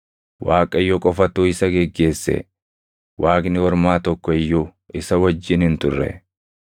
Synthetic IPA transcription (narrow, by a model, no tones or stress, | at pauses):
waːkʼɐjːɔkʼɔfɐt̪ːuːɪsɐɡɛɡːe̞ːsːɛ̰ | wʔaːkʼnɪwɔɾmaːt̪ɔkːɔɪjːu | ʔɪsɐwɐd͡ʒːɪnhɪnt̪ʊrːɛ̰